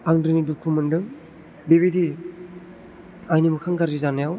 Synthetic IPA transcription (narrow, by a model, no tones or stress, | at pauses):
aŋdɯnidukʰumɯndɯŋ | beβidi | ajnimɯkʰaŋɡaɾd͡ʒizanajaw